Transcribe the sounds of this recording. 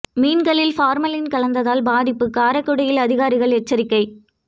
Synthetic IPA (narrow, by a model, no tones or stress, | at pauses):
miːnɡɐɭɪlfaːɾmɐlɪnkɐɭɐnd̪ɐðaːlbaːðɪpːɯkːaːɾɐkːɯɽɐjɪlɐðɪɣaːɾɪɣɐɭɛʈt͡ʃːɐɾɪkːɐɪ